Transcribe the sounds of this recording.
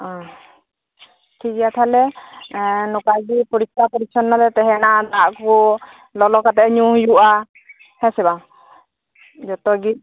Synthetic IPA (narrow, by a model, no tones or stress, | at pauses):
ɔ̃ | kʰid͡ʒɛjat̪ʰalɛ | nɔkaɡipɔɾit̪̚tapɔɾit͡ʃʰɔnːalɛt̪ɛɦɛnad̪aʔkɔ | lɔlɔkat̪ɛʔɲujuʔa | hɛsɛba | d͡ʒɔt̪ɔɡi